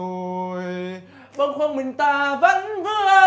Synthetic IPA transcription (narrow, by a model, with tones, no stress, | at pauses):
j | ɓə˧ŋxwə˧ŋmï˨˩ŋ̟t̪aː˧˩və̰˧˥nvɨ˧˦